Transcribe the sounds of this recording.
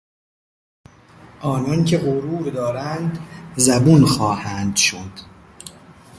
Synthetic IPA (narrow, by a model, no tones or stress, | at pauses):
ʔɒːnɒncʰeɣoɾuːɾd̪ɒːɾænd̪zæbunxɒːhæːnd̪ʃod̪̥